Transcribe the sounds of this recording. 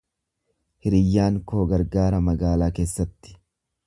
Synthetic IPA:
hɪɾɪjːaːŋkoːɡɐɾɡaːɾɐmɐɡaːlaːke̞ːsːɐt̪ːɪ̥

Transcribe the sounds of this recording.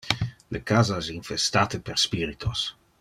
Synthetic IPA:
lekaːzaɛsinfest̪aːt̪əperspiːɾit̪ʰos

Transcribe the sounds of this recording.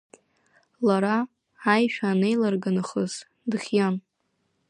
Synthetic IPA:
laɾa | ajʃᶣaːne̞jlarɡanɨχəz̥ | dɨχʲjan

